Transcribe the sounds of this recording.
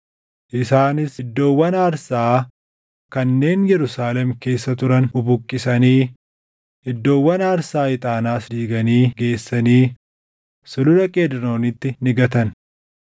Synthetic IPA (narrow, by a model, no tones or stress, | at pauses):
ʔɪsaːnɪsɪd̪ːo̞ːwːɐnaːɾsaː | kɐnːe̞ːnjɛɾʊsaːlɛmke̞ːsːɐt̪ʊɾɐnʊbʊkʼːɪsɐniː | ɪd̪ːo̞ːwːɐnaːɾsaːɪt̪ʼaːnaːsd̪iːɡɐniːɡe̞ːsːɐniː | sʊlʊlɐkʼeːd̪ɪno̞ːnɪt̪ːɪnɪɡɐt̪ɐn